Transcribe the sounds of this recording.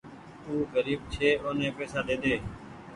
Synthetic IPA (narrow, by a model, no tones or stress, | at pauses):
uːɣəɾiːbt͡ʃʰeːoːnẽːpeːsaːd̪eːd̪eː